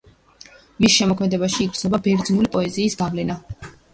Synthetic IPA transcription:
misʃɛmɔkʰmɛd̪ɛbaʃiːɡɾt̪sʰnɔbabɛɾd̪znulipʼɔɛziːsɡavlɛna

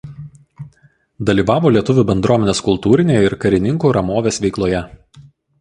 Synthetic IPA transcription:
d̪ɐlʲiːʋɑːʋoːlʲiɛt̪ʊʋʲuːˑbʲɛnd̪ɾuɔmʲɛnʲeːskʊlˠt̪uːɾʲɪnʲeːjɛɪɾkɐɾʲɪnʲɪŋkuːɾɐmoːʋʲeːsʋʲɛɪklˠoːjɛ

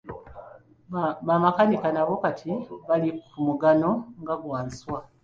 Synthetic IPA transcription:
βamakanikanaβo̞katʰiβalikumuɡano̞ŋɡaɡwaːni̥swa

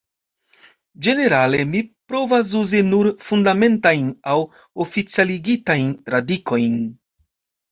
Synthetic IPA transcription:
d͡ʒe̞ne̞ɾale̞mipɾo̞vas̬uzinuɾfundame̞ntajnaw | o̞fit͡sialiɡitajnɾadiko̞jn

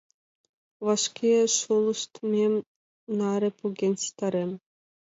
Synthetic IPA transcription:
vɑʃkʲʰeʃulˠɯ̆ʃt̪mʲemʲ | nɑɾʲĕpuɡʲenʲsi̥t̪ɑɾʲemʲ

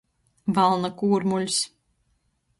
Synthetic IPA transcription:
valˠnakuːɾmulʲs

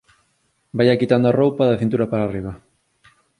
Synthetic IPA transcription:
bajakit̪and̪oarowpaðɐθint̪uɾapaɾaːriβ̞ɐ

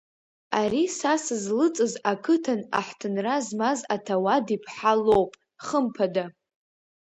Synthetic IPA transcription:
aɾisasɨzlɨt͡sʼɨzakʰɨtʰana̰ħtʰɨnrazmazatʰawadipʰħalowpʼ | χəmpʰada

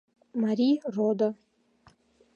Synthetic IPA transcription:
maɾirod̪a

